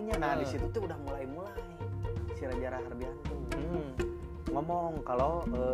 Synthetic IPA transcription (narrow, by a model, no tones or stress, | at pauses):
ɲanahdisit̪ut̪uːdahmulaimulaisiɾad͡ʒaɾaɦarbiant̪u | ŋɔmɔŋkaloə